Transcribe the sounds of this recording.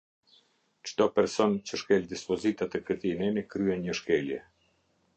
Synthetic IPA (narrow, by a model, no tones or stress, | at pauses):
t͡ʃt̪ɔpɛɾsɔnt͡ɕəʃkɛld̪ispɔzit̪at̪ɛkət̪inɛnikɾyhɛnɲəʃkɛljɛ